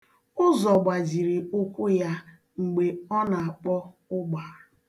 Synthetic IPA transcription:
ʊ˦zɔ˨ɡ͡ba˨zi˨ɾi˨ʊ˦kʷʊ˦ja˦ | ŋ͡m̩˨ɡ͡be˨ɔ˦na˨a˨k͡pɔ˦ | ʊ˦ɡ͡ba˨

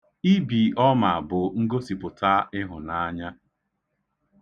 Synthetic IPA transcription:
i˦bi˨ʔɔ˦ma˨a˨bʊ˨ŋ̩˦ɡo˦si˨pʊ˨ta˦ɪ˦ɦʊ˨na˦ɲa˦

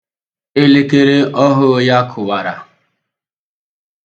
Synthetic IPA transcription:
e˦le˦ke˦ɾe˦ʔɔ˦ɦʊ˦ja˦kʰʊ˨wa˨ɾa̰˨

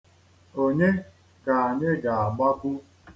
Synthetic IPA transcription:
o˨ɲe˦ | ka˨a˨ɲe˦ɡa˨a˨ɡ͡ba˦kʷu˦

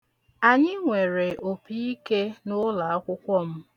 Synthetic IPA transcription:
a˨ɲɪ˦ŋʷe˨ɾe˨ʔo˨pi˦i˦ke˦nʊ˦la˨a˦kʷʊ˦kʷɔ˦m̩˦

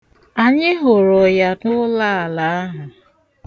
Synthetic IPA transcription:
a˨ɲɪ˦ɦo˨ɾʊ˨ja˨dʊ˦la˦a˨la˨a˦ɦa˨

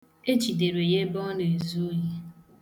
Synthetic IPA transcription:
e˦t͡ʃi˨de˨ɾe˨je˦bɔ˦ne˨e˨zu˦o˦je˦

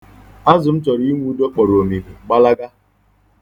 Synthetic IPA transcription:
a˦zʊ˨m̩˦t͡ʃɔ˨ɾŋʷ˦u˦do˦k͡pɔ˨ɾo˨mi˨mi˨ɡ͡ba˦la˦ɡa˦

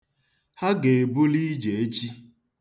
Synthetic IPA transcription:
ha˦ɡe˨e˨bu˦li˦d͡ʒe˨e˦t͡ʃi˦

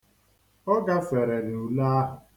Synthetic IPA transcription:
ɔ˦ɡa˦fe˨ɾe˨ɾu˨la˦a˦ɦʊ˨

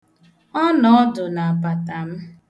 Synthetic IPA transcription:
ɔ˦nɔ˨ɔ˦dʊ˨na˨a˨pa˨ta˨m̩˦

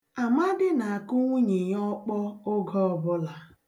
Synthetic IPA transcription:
a˨ma˦dɪ˦na˨a˨kʊ˦ŋʷu˦ɲe˨ɲɔ˦k͡pɔ˦ʊ˦ɡɔ˦ɔ˨bʊ˦la˨

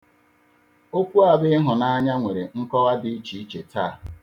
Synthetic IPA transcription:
o˦kʷu˦a˨bɪ˦ɦʊ˨na˦a˦ɲa˦ŋʷe˨ɾe˨ŋ̩˦kɔ˦ɣa˦di˦i˦t͡ʃi˨i˦t͡ʃe˨tʰa̰ː˦˨

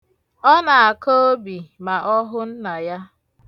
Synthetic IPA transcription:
ɔ˦na˨a˨ko˦o˦bi˨ma˨ʔɔ˦ɦʊ˦n̩˦na˨ja˦

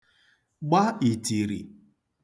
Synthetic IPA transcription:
ɡ͡ba˦i˨ti˨ɾḭ˨

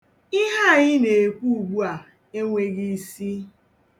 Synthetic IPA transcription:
ɪ˦ɦa˦˨ɲɪ˦ne˨e˨kʷu˦u˨ɡ͡bu˦a˨ | e˦ŋʷe˨ɡi˦˨si˦

